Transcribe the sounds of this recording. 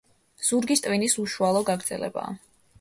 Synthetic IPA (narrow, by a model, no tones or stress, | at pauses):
z̥uɾɡist̪ʼvinisuʃualˠɔɡaɡɾd̪zɛlɛ̰ba̰ː